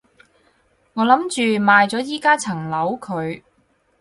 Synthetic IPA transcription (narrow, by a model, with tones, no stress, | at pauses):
ŋɔː˨˧lɐ˨˥mt͡ʃyː˨maː˨jt͡sɔː˨˥jiː˥kaː˥t͡sʰɐ˨˩ŋlɐ˨˥wkʰɵ˨˧ɥ